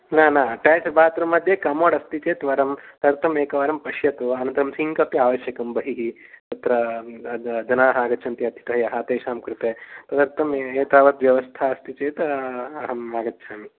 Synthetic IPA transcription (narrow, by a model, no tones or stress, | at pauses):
naːnaːʈɛːsɐbʱaːt̪ɾɐmɐd̪ʱjekɐmoːɽɐst̪it͡ʃeːt̪ʋɐɾɐmt̪ɐɐɾt̪ʰɐmeːkɐʋaːɾɐmpɐʃjɐt̪uɐnɐ̃nt̪ɐɾɐmsiŋkɐpjɐaːʋɐʃjɐkɐmbɐɦiɦit̪ɐt̪ɾɐ | d͡ʒɐnaːɦɐaːɡɐt̪ːt͡ʃʰɐnt̪iɐd̪ʱjɐ̥t̪ɐɦɐjɐɦɐt̪eːʃaːmkɾut̪eːt̪ɐd̪ɐɾt̪ʰɐmeːt̪aːʋɐt̪ʋjɐʋɐst̪ʰaɐst̪it͡ʃeːt̪ɐɦɐmaːɡɐt̪ːʃʰaːmi